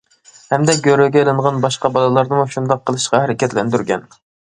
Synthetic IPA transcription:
hɛmd̪ɛɡʲøɾøɡʲɛelˠɨɴʁɑnbɑʃqɑbɑlˠɨlˠɑɾd̪ɨmuʃund̪ɑqʰːəlˠɨʃqɑhæɾɪkʲʰɛt̪lɛnd̪yɾɡʲɛn

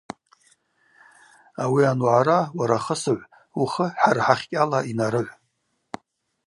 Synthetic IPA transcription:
awianwʕaɾawaɾaχəsɨʕʷ | uχəħarħaχʲkʲʼalainaɾɨʕʷ

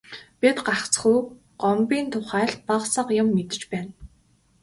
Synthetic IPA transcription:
pit̪ɢaχt͡sχu | ɢ̥ɔmpiːnt̪ʰʊχæːɬt̪̚paqsə̆qjʊmːet̪ɘ̆t͡ɕpæːn

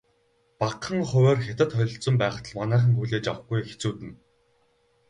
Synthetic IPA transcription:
paqːə̆ŋχɵweːrxʲet̪ə̆t̪χɔɮʲɞ̆ɬt͡sɞ̆mpæːχə̥̆t̪ʰə̆ɮmanæːχə̆ŋxujɮeːt͡ɕawə̆χɡujxe̥t͡suːt̪ɘ̆n

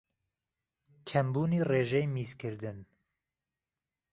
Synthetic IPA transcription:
kʰɛmbuːniːreːʒɛjmiːzkʰɨɾd̪ɨn

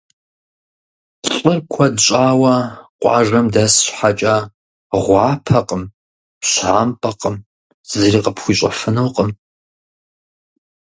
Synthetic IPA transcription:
ɬʼərkʷʰɐdɕʼaːwɐqʷʼɑ̰ːʒɐmdɐsɕħat͡ʃʼɐ | ʁʷɑːpʰɐqʼəm | pɕħaːmpʼɐqəm | z̥ɨriːqəpxʷiːɕʷʼɐfɨnowqʼəm

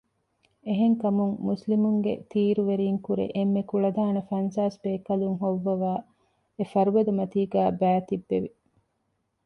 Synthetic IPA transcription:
eɦeŋkɐmuŋmuslimuŋɡḛt̪ʰiːɾuʋeɾiːŋkuɾḛʔemːekuɭɐd̪aːnɐfɐnsaːsbeːkɐluŋɦoʋːɐʋaː | efɐɾuʋɐd̪umɐt̪iːɡæːbæːt̪ibːeʋi

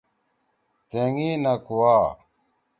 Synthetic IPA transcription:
t̪eŋiːnakuwaː

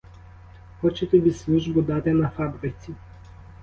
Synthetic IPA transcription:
xɔt͡ʃɛt̪ɛbʲislʲuʒbud̪at̪ʲɛnafabɾit̪si

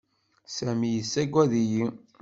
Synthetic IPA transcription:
sæmijəsːæɡʷːæðiji

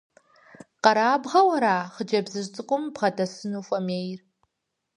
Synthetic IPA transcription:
qɑɾaːbʁɐwɐɾaːχəd͡ʒɐbzɨʒt͡sʼɨkʷʼʊmbʁɐdʰɐsɨnuːfʼɐmeːjr

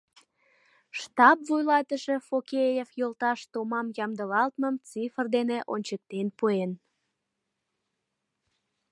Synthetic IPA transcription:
ʃt̪ɑpvujlɑt̪əʃe̽fokejefjolt̪ɑʃt̪omɑmjɑmd̪əlɑlt̪məmt͡sifrd̪eneʔonʲt͡ɕək̚t̪enpuen

